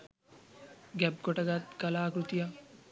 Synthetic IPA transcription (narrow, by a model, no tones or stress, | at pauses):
ɡɛb̚ɡoʈɐɡat̪kɐlaːkɾut̪ija